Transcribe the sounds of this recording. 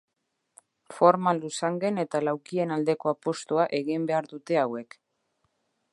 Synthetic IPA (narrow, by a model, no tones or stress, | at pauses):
fo̞ɾmalusaŋɡe̞ne̞t̪alawkie̞nald̪e̞ko̞apo̞st̪uaʔe̞ɣimbe̞aɾðut̪e̞awe̞k